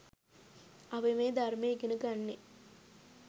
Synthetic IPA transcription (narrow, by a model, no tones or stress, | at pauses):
aʋemeːd̪armeːɡenəɡanːe